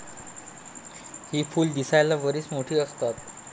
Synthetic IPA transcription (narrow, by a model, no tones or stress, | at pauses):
hiːfuːld̪isajlaʋəɾiːt͡smoʈʰiːəst̪at̪̚